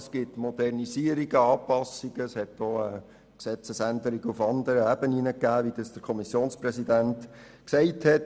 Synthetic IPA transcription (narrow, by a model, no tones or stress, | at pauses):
sɡ̥ɪtmɔd̥̪ɛrnisiəɾiɡ̥əɑːpɑsiɡ̥əshɛtdoːə | ksɛt͡səsænd̪əɾiɡəufɑnd̪əɾəæbəninəkːæːʋid̥ɑsd̥əkʰɔmisjoːnsprɛsidænt | ksɛɪthɛt